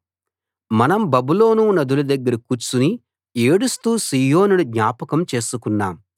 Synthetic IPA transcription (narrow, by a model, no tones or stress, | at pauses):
mɐnɐmbɐbulo̞ːnunɐd̪ulɐd̪ɐɡːɐɾɐkut͡ʃːuni | eːɽust̪uːsiːjoːnunud̪ɲaːpɐkɐmt͡ʃe̞ːsukunːa̰ːm